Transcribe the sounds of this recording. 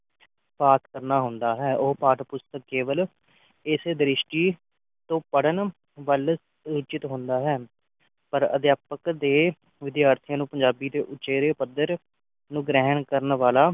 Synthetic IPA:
paːt̪kəɾnaːɦʊ̃nd̪aːɦɛːʔoːpaːʈpʊst̪əkkeːʋəl | ɪsd̪əɾɪʃʈiː | t̪õːpəɽən | ʋəl | ɾʊt͡ʃɪt̪ɦʊ̃ːnd̪aːɦɛː | pəɾə̰d̪jaːpəkd̪eː | ʋɪd̪jaːɾt̪ʰɪjãːnũːpəɲd͡ʒaːbiːd̪eːʔʊt͡ʃeːɾeːpəd̪əɾ | nũːɡɾɛːnkəɾənʋaːlaː

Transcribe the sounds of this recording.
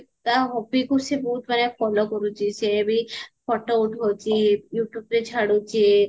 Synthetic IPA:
t̪aɦɔbikusebɔɦut̪manefɔlokɔɾut͡ʃisebipɔʈouʈʰɦɔt͡ʃijuʈjubɾet͡ʃʰaɽut͡ʃi

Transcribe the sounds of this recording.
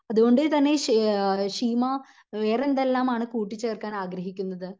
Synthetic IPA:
ɐðuɣo̞ɳɖɨt̪ɐnːe̞ʂʂiːmɐ | ʋeːrend̪elːaːmaːɳɨkuːʈːit͡ɕːɨɐrkːaːnaːɡɾɐɦikʲːunːɐðɨ

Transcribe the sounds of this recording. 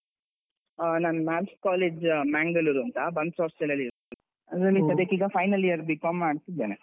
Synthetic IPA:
nanmaːlskaːleːd͡ʒmaːŋɡɐluɾɐnt̪ɐbɐnsaːfsɛlɐlːiɾt̪ɐ | ɐd̪ɐɾɐlːit̪ɐd̪ekiːɡɐfʰɐjnɐlijɐɾbikamːaːɖt̪id̪ːeːne

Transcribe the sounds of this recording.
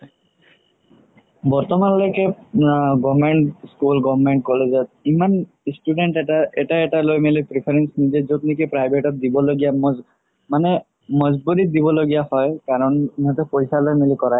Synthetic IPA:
bɔɹt̪ɔmanlojke | ɡɔmeɳʈskulɡɔbmeɳʈ̚kɔlezɔt̪̚iman | sʈuɖeɳʈaɛʈaɛʈalojmelipɾipʰaɾensnizezot̪nikepɾajbʱeʈɔt̪̚d̪ibɔloɡijamɔz | manɛ | mɔzbuɾit̪̚d̪ibɔloɡijahɔjkaɾɔniɦat̪ɔpojsalojmelikɔɹaj

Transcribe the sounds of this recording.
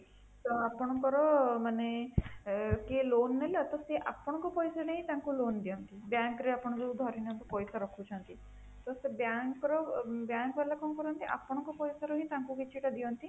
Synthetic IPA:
t̪ɔapɔɽ̃ɔkɔɾɔmane | kelonːelat̪ɔseʔapɔɽ̃ɔkɔpɔjsaneɦĩt̪aŋkulond̪ijɔnt̪ibjaŋkɾeapɔɽ̃ɔd͡ʒud̪ʱɔɾinɔnt̪ɔpɔjsaɾɔkʰut͡ʃʰɔnt̪i | t̪ɔst̪ebjaŋkɔɾɔbjaŋkbelakɔmkɔɾɔnt̪iʔa̰pɔɽ̃ɔŋkɔpɔjsaɾɔɦĩt̪aŋkukit͡ʃʰiʈad̪ijɔnt̪i

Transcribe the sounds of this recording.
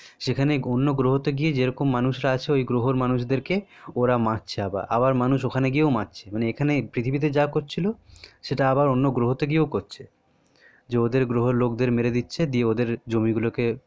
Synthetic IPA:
ʃekʰaneonːoɡɾoɦot̪oɡied͡ʑeɾɔkomːanuʃɾaat͡ɕʰeojɡɾoɦoɾmanuʃd̪eɾkeoɾamãtːɕʰeaba̰ɾa̰baɾmanuʃokʰaneɡijeomatːɕʰemaneekʰanepɾit̪ʰibit̪ed͡ʑakoɾt͡ɕʰiloʃeʈaabaɾonːoɡɾoɦot̪oɡieokoɾt͡ɕʰe | d͡ʑeod̪eɾɡɾoɦoɾlokd̪eɾmeɾed̪itːɕʰed̪ieod̪eɾd͡ʑomiɡuloke

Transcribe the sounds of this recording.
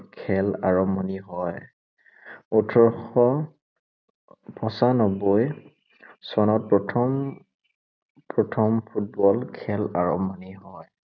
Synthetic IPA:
kʰɛlaɹɔmɔniɦɔj | utʰɔɹxɔ | pʰɔsanɔboj | sɔnɔt̚pɹɔtʰɔm | pɹɔtʰɔmpʰut̚bɔlkʰɛlaɹɔ̰mɔniɦɔj

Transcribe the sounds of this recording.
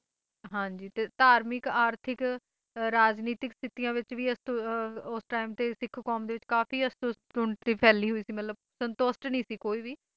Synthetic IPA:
ɦãːɲd͡ʒiːt̪eːt̪aːɾmɪkaːɾt̪ʰɪk | ɾaːd͡ʒniːt̪ɪkst̪ɪt̪ijãːʋɪt͡ʃʋiːəst̪ʊsʈaːɪmt̪eːsɪkʰkɔːmd̪eːʋɪt͡ʃkaːfiːəst̪ʊs | ʊɳt̪iːpʰɛːliːɦoiːsiːmət̪ləb̚ | sənt̪osʈnĩːsiːkoːiːʋiː

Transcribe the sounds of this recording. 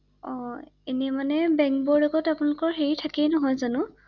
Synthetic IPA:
ɔenɛmanɛbɛŋkbɔɹdɔɡɔtapʊnalʊkɔɹɦeɹitʰakɛnɔɦɔjzanʊ

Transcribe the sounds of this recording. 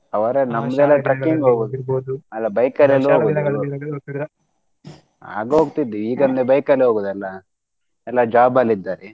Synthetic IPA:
ɐʋɐɾenɐmːɐd̪ɛlːɐʈɾɐkːiŋɡɦoːɡud̪ɐlːɐbɐjkɐlɐlːuɦoɡud̪ | a̰ːɡɦoːɡt̪id̪ːiiːɡɐnnebɐjkaleɦoːɡud̪ɛlːɐ | ɛlːad͡ʒaːbalid̪ːaːɾe

